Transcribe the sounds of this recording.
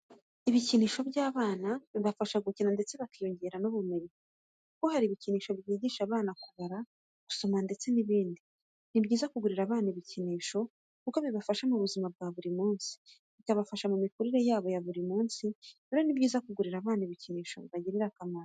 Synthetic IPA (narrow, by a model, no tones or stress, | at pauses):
iβiciniːʃo̞bɟaːβaːnaβiβafaʃaɡucinande̞t͡se̞βakijoɲɟe̞ɾanoβume̞ɲe | kuko̞haɾiːβiciniːʃo̞bjiːɟiːʃaβaːnakuβaɾa | ɡ̥u̥so̞mande̞t͡se̞niβiːndi | nibɟiːzakuɡuɾiɾaβaːnaiβiciniːʃo̞ | kuko̞βiβafaʃamuβuzimab̚ɡaːβuɾimuːnsi̥ | βikaβafaʃamumikuɾiɾe̞jaːβo̞jaβuɾimuːnsiβiɾo̞nibɟiːzakuɡuɾiɾaβaːniβiciniːʃo̞̰βiβaɟiɾiɾakamaɾa